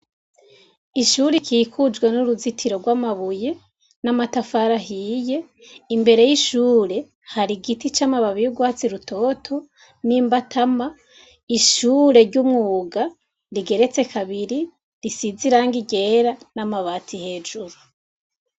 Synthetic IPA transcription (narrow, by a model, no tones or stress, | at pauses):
iʃuɾikʰiːkʰud͡ʒɡwenuɾuzitʰiɾo̞ɡwamaβuje̞ | namatafaɾaɦiːje̞ | imbe̞ɾe̞jiʃuːɾe̞ | haɾiɡitit͡ʃamaβaβijuɡwat͡siɾutʰo̞tʰo̞ | niːmbatʰama | iʃuːɾe̞ɾɟumŋuːɡa | ɾiɡe̞ɾe̞t͡se̞kʰaβiɾi | ɾisiziɾaːŋɡiɟe̞ːɾanamaβaːtʰihe̞ːd͡ʒuɾu